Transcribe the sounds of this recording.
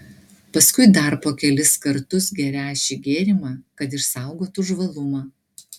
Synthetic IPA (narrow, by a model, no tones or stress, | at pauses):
pɐskʊɪd̪ɐɾpoːkʲɛlʲɪskɐɾt̪ʊsɡʲɛɾʲæːʃʲɪɡʲeːɾʲɪmɑːkɐt̪̬ɪʃsɑˑʊɡoːt̪ʊʒʋɐlˠʊmɑː